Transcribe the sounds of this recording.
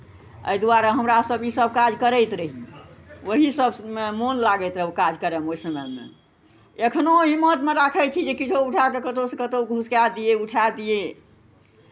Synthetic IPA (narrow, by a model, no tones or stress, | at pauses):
ə̰jd̪uaɾaɦəmɾasəbisəb̚kad͡ʒkəɾəjt̪ɾəɦiwəɦisəbemonlaɡəjt̪ɾəɦukad͡ʒkəɾəmoisəməjmḛ | ekʰnoɦimːət̪meɾakʰət͡ʃʰid͡ʒekit͡ʃʰouʈʰakekət̪osə̃kət̪oɡʱuskad̪ijeuʈʰad̪ije